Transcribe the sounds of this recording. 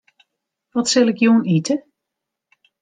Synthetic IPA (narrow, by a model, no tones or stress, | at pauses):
ʋɔtsɪlˠɪkjuːənitʰə